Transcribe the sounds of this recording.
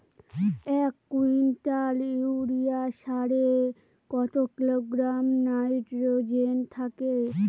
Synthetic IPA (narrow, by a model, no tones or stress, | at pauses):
ɛkːuinʈaliɾijaʃaɾe | kɔt̪okiloɡɾamnajʈɾod͡ʑent̪ʰake